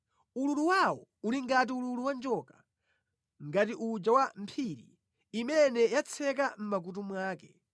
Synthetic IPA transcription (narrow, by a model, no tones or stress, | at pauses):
ululuwawɔuliŋɡat̬iululuwand͡ʒɔka | ŋɡatiʔud͡ʒawam̩pʰiɾḭ | imɛnɛjat͡sʰɛkam̩mak̬ut̬umwaːkɛ